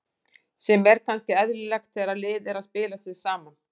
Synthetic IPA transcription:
sɛmɛɾkʰanscɪɛðɾʏlɛxt̪θɛɾaðlɪːðɪɾaðspɪːlasjɪðsaːman

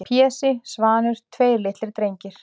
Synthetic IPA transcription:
pʰjɛːsɪsvaːnʏɾ̥t̪ʰveːjɾlɪht̪lɪɾ̥t̪ɾejɲcɪɾ̥

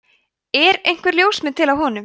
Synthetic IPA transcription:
ɛɾejŋ̥kvɛɾljoːwsmɪnt̪ʰɪlawɦɔːnʏm

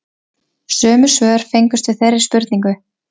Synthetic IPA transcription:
sœːmʏ̥svœːðɾ̥fejŋkʏst̪vɪθɛrːɪ̥spʏɾt̪niŋkʏ

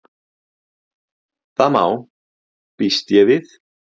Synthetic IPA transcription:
θama̰w | pist̪jɛvɪθ

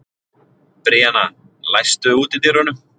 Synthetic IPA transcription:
pɾɪːana | lajst̪ʏuːt̪ɪt̪ɪɾɔnʏm

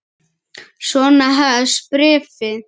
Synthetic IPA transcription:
sɔnaɦaspɾɛːfɪ

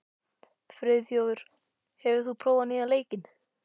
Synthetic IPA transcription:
fɾɪːðjoːwðʏɾ̥ | hɛvʏ̥θupʰɾoːwvaniːðaleːjcɪn

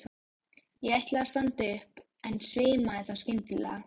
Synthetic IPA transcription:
jɛɣɛht̪lɛast̪ant̪ʏhp | ɛnsvɪːmaɛθaskcɪnt̪lɛ̰

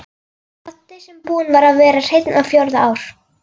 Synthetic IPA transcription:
at̪ːɪsɛmpuːnvaɾaðvɛːɾar̥ejt̪nawfjowɾðaaːwɾ̥

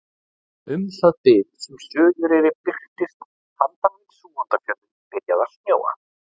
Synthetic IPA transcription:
ʏmθaðt̪ɪːðsɛmsœːðʏɾɛɾɪpɪr̥t̪ɪst̪ | fant̪anɪnsuːɔnt̪afjœlʏ | pɪɾjaðasnjo̰ːwa̰

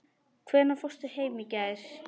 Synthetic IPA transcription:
kʰvɛːnafɔst̪ʏheːjmicaðɪɾ̥

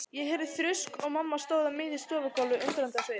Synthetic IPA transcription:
jɛɦɛɾðɪθɾʏskɔɣmamːast̪oːwðamɪːðist̪ɔːvakɔlːʏʔʏnt̪ɾant̪asej

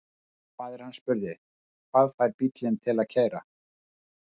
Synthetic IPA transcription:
kʰv̥aːðɛɾ̥hanspʏɾðɪ | kʰvaːðfajɾpit̪lɪnt̪ʰɪlaðcʰaːjɾa̰

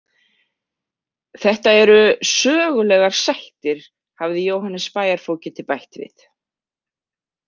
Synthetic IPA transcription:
θɛht̪aɛɾʏsœːɣʏlɛɣaɾ̥sajht̪ɪɾ̥ | havðɪjoːwhanːɛsːpaːjaɾ̥foːwcɪt̪ʰɪlpajht̪vɪ̰θ

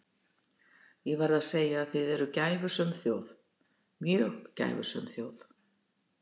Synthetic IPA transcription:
jɛɣvaɾðaðseːjaːθɪðɛɾʏcaːjvʏsœmθjowθ | mjœːɣca̰jvʏ̰sœ̰mθjoːwθ

